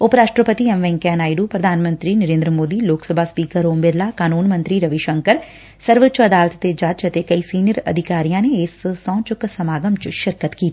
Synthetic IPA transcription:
ʊpɾaːʂʈɾəpət̪iːɛmʋɛ̃ːŋkɛːnaːiɖuːpɾəd̪ʱaːnmə̃nt̪ɾiːnəɾẽːnd̪ɾəmoːd̪iːloːksəbʱaːspiːkəɾoːmbɪɾlaːkaːnuːnmə̃nt̪ɾiːɾəʋiʃəŋkəɾ | səɾʋət͡ʃəd̪aːlət̪t̪eːd͡ʒat͡ʃət̪eːkəiːsiːnijəɾə̰d̪ʱɪkaːɾijãːneɪssɔ̃ːt͡ʃʊksəmaːɡəmt͡ʃʃɪɾkət̪kiː

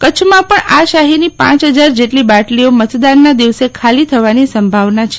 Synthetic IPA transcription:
kət͡ʃʰmãpəɳaʃaɦinipã̰t͡ʃɦəd͡ʒaɾd͡ʒeʈlibaʈliomət̪d̪anːad̪iʋsekʰalit̪ʰəʋanisəmbʱaʋnat͡ʃʰe̥

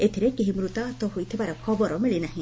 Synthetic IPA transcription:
et̪ʰiɾekiɦimɾut̪at̪ɔɦujt̪ʰibaɾekʰɔbɔɾɔmiɭinaɦĩ

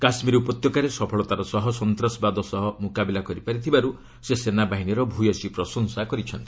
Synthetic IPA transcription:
kasmiɾupɔt̪jɔkaɾesɔpʰɔɭɔt̪aɾɔsɔɦɔsɔnt̪ɾɔsbad̪ɔsɔɦɔmukabilakɔɾipaɾit̪ʰibaɾu | sesenabaɦiniɾɔbʱujɔsipɾɔsɔŋsakɔɾit͡ʃʰɔnt̪i̥

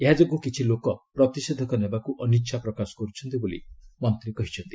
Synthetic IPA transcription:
eɦad͡ʒɔɡukit͡ʃʰilokɔpɾɔt̪ised̪ʱɔkɔnebakuʔɔniʃʰapɾɔkasɔ̥kɔɾut͡ʃʰɔnt̪ibolḭmɔnt̪ɾikɔɦit͡ʃʰɔnt̪i̥

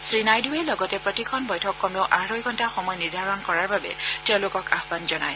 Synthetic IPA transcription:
sɹinajdʱuelɔɡɔtɛpɹɔtikʰɔnbɔjtʰɔkːɔmioʔaɹojɡʰʱɔntaxɔmɔjɔniɹdʱaɹɔnkɔɹaɹbabɛ̰tɛʊ̃lokɔkaɦbanzɔna̰j

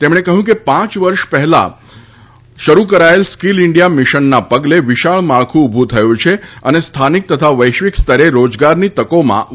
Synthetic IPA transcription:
t̪emɽ̃ekəɦũkepãt͡ʃʋəɾʃpɛɦɛla̰ | ʃəɾukəɾaelskilɪɳɖijamiʃənːapəɡleʋɪʃaɭmaɭkʰũːbʱũt̪ʰəjũt͡ʃʰeənest̪ʰanik̚t̪ət̪ʰaʋəjʃʋikst̪ʰəɾeɾod͡ʒɡaɾnit̪əkomã̰

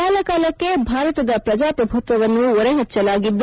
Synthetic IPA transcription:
kaːlɐkaːlɐkːe̞bʱaːɾɐt̪ɐd̪ɐpɾɐd͡ʒaːpɾɐbʱut̪ʋɐʋɐnːuɔɾeɦɛt͡ʃːɐlaːɡid̪ː

